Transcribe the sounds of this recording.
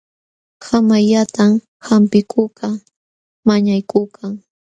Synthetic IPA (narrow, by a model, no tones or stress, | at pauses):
samajʎat̪am | hampɪkʰʊka | maɲajkʊkʰaŋ